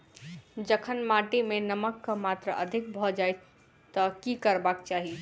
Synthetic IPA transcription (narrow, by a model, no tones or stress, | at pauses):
d͡ʒəkʰənmaʈimenəməkːəmat̪ɾəʔəd̪ʱik̚bʱɔd͡ʒaj | t̪əkikəɾbakt͡ʃaɦi